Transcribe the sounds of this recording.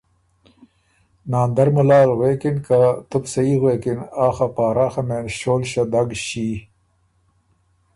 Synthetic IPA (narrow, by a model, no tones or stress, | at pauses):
naːnd̪ɐɾmɐlaːlɣweːkinkat̪ubsɐiɣweːkinaːxɐpaːɾaːxɐmeːnɕoːlɕɐd̪ɐɡɕiː